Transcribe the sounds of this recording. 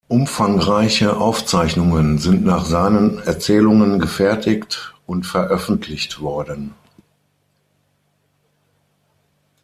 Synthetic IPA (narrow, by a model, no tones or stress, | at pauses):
ʔʊmfaŋʁaɪçəʔaʊft͡saɪçnʊŋənzɪntnaːχz̥aɪnənɛɐt͡sɛːlʊŋənɡəfɛɐtɪktʊntfɛɐʔœfn̩tʰlɪçtv̥ɔɐdən